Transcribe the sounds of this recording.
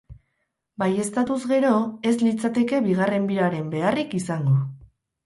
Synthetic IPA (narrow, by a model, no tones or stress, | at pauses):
baje̞st̪at̪uzɣe̞ɾo̞e̞zlit͡sat̪e̞ke̞βiɣ̞are̞mbiɾaɾe̞mbe̞arikisaŋɡo